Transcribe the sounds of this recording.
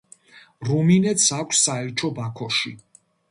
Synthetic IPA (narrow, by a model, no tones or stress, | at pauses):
ɾuminɛt̪sakʷʰsːaɛɾt͡ʃʰɔbakʰɔʃi